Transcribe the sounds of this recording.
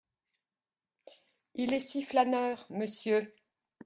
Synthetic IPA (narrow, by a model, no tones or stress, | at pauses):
ilɛsiflanœːʁməsjø